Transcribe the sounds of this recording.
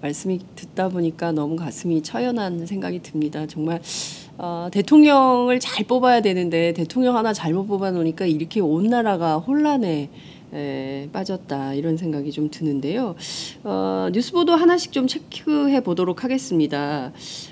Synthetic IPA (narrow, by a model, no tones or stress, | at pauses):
maɭs͈ɯmitɯt̚t͈aboɲik͈anʌmukas͈ʰɯmit͡ɕʰʌjʌnansʰe̞ŋɡaɡitɯmɲidat͡ɕʌŋmaɭ | ʌte̞tʰoŋɲʌŋɯɭt͡ɕaɭp͈obajadwe̞nɯnde̞te̞tʰoŋɲʌŋɦanat͡ɕaɭmot̚p͈obanoɲik͈aiɾʌkʰe̞onːaɾaɡahoɭːane̞ | ep͈ad͡ʑʌt̚t͈aiɾʌns̬ʰe̞ŋɡaɡit͡ɕomtɯnɯnde̞joʌ̰ɲjus͈ʰɯbodoɦanaɕʰi̥k̚t͡ɕ͈omt͡ɕʰe̞kʰɯɦe̞bodoɾokʰaɡe̞s͈ɯmɲida